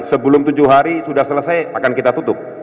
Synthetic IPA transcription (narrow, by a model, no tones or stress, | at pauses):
səbəlʊŋt̪ud͡ʒʊɦaɾisudahsələsajakankit̪at̪ut̪ʊp̚